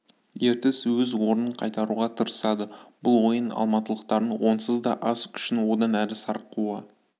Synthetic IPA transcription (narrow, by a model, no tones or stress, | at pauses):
je̞ɾt̪ɪswɵzwo̞ɾnəɴqʰɑjt̪ɑɾuʁɑt̪ʰəɾəsɑd̪əbʊlˠwo̞jənɑ̰lˠmɑt̪əlˠəqt̪ɑɾəwo̞nsəzd̪ɑ̰ʔɑskʲʰʏ̥ʃɪnwo̞d̪ɑnælɪsɑɾəqːuə